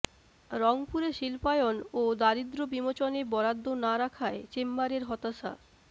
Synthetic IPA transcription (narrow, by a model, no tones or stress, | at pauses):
ɾɔŋpuɾeʃilpajonod̪aɾid̪ɾobimot͡ɕonebɔɾad̪ʱːonaɾakʰaet͡ɕemːaɾeɾɦɔt̪aʃa̰